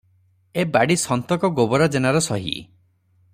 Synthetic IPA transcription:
ebaɽisɔnt̪ɔkɔɡobɔɾad͡ʒenaɾɔsɔɦḭ

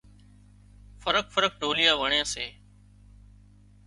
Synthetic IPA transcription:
fəɾəkfəɾək̚ɖʱoːlɪjãːʋəɳjãːseː

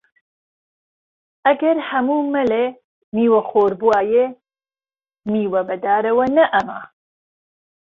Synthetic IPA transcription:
ʔɐɡɐɾhɐmuːmɐle | miːwɐxoːɾbuaːje | miːwɐbɐd̪aːɾɐwɐnɐʔɐma

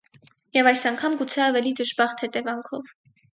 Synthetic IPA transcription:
jɛvɑjsɑŋkʰɑmɡut͡sʰɛɑvɛlid̪əʒbɑχt̪hɛt̪ɛvɑŋkʰɔv

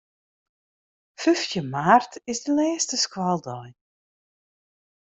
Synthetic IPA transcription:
føftjəmaːrtɪsdəlɛːəstəskwalˠdɔj

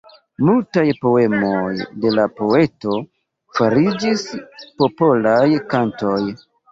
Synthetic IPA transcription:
multajpo̞e̞mojde̞lapo̞e̞to̞ | faɾid͡ʒispo̞po̞lajkanto̞j

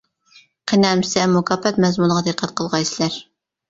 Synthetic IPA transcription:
qʰenɛmsɛmukʰɑːpːɛt̪mɛzmunʁɑd̪ɨqʰːæt̪̚qʰəlˠʁɑjsɪlæɾ

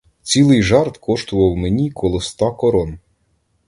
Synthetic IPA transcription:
t͡sʲilˠɪjʒɑrt̪kʰɔʃt̪ʊʋɐwmenʲikʰɔlˠɔst̪ɑkɔɾɔn

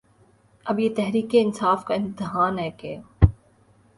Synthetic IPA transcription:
ɐbjeːt̪ɛɦɾiːkeɪnsaːfkaɪ̃nt̪ɪɦaːnɦɛːkeː

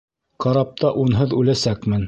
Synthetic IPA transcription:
qɑɾɑp̚t̪ɑʔunɦɤðʉlæsækmɘn

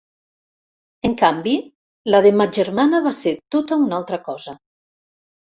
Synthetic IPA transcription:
eŋkambi | laðemad͡ʒeɾmanaβaseɾt̪ot̪aunalˠt̪ɾakɔza

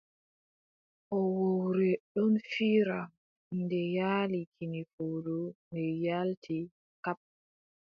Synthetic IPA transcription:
ʔɔwowɾɛɗɔnfiːɾa | ndɛjaːlikʰinifodumɛjaltʰi | kap̚

